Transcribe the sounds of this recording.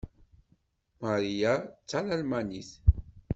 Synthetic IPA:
maɾijat͡sːalalmaniθ

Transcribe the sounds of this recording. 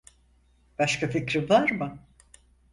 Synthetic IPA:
b̥aʃkaficɾivaɾmɯ

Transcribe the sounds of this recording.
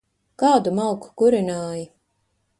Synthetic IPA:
kɑːd̪umalˠku̥kuɾinaːji

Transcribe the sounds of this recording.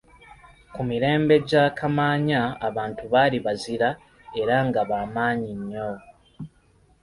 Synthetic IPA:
kumiɾe̞ːmbe̞ɟaːkʰamaːɲaːβaːntuβaliβaziɾa | e̞ɾaŋɡaβaːmaːɲiɲːo

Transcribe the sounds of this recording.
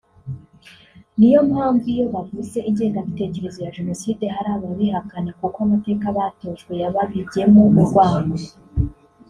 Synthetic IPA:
nijo̞mhaːɱvujo̞βavuze̞ʔiɲɟe̞ːŋɡaβite̞ce̞ɾe̞zojaʒe̞no̞siːde̞ɦaɾaːβaβihakane̞kukoamate̞ːkaβato̞ːʃɡwe̞jaβaβiɾɟe̞momuɾɡwaːɲo

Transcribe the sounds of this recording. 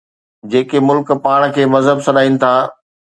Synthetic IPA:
d͡ʑeːkemʊlkpaːɽ̃kʰeːmɐzɦəbsɐɗaːinɪ̆t̪ʰaː

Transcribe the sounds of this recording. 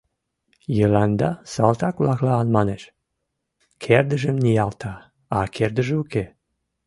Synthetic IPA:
jəlɑnd̪ɑsɑlt̪ɑkβlɑklɑːnmɑneʃ | kʰerd̪əʒəmnijɑlt̪ɑ | ɑkʰerd̪əʒeuke

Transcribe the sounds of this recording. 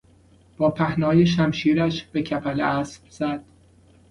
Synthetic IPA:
b̥ɒːpʰæhnɒːjeʃ̬æmʃiːɾæʃb̥e̞cʰæpʰælæsbz̥æd̪̥̚

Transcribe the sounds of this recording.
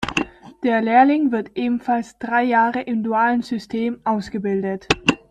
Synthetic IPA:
d̥eːɐleːɐlɪŋvɪɐtʔeːbm̩falsd̥ʁaɪjaːʁəʔɪmduaːlənzʏstʰeːmʔaʊsɡ̥əbɪldət

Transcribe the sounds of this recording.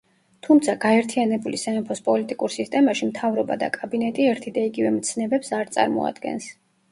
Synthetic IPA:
t̪ʰumt̪sʰaɡaɛɾt̪ʰianɛbulisɛɛpʰɔspʼɔlit̪ʼikʼuɾsist̪ʼɛmaʃimt̪ʰavɾɔba̰d̪a̰kʼabinɛt̪ʼiɛɾt̪ʰid̪aiɡivɛmt̪sʰnɛbɛpsaɾt̪sʼa̰ɾmɔ̰a̰d̪̥ɡɛ̰ns

